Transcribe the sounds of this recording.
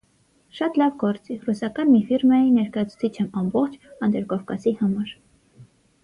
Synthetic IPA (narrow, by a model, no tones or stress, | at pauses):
ʃɑt̪lɑvɡɔɾt͡sirusɑkɑnmifiɾmɑjinɛɾkɑjɑt͡sʰu̥t͡sʰit͡ʃʰɛmɑmbɔχt͡ʃʰɑnd̪ɛɾkɔvkɑsihɑmɑɾ